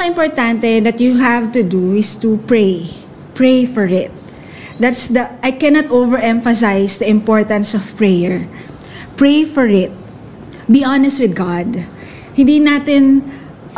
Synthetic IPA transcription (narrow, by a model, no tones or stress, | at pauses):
ɪ̃mpɔɹt̪ãnt̪ɛd̪ɐt̪juɦævt̪ud̪uɪst̪upɹej | pɹejfɔɹɪt̪̚ | d̪at̪sd̪ɐʔajkɛnat̪ʔovɛɹʔɛ̃ɱfɐs̬ajsd̪ɐɪ̃mpɔɹt̪ɐ̃nsɔv̥pɹɛjɛɹ | pɹejfɔɹɪt̪̚ | biʔanɛst̪wɪd̪̚ɡad̪ | hɪ̃nd̪inat̪ɪ̃n